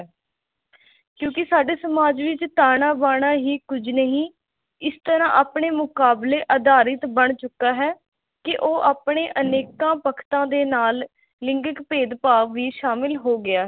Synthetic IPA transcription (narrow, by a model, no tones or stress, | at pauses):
kjõːkɪsaːɖeːsəmaːd͡ʒʋɪt͡ʃt̪aːɽaːbaːɽ̃aːɦiːkʊd͡ʒnəɦĩː | ɪst̪əɾãːʔaːpɳeːmʊkaːbleːʔəd̪aːɾɪt̪bəɳt͡ʃʊkːaːɦɛː | kɪʔoːʔaːpɽeːʔəneːkãːpəkʰt̪ãːd̪eːnaːl | lɪ̃ŋɡəkpeːd̪paːʋiːʃaːmɪlɦoːɡɪaːɦ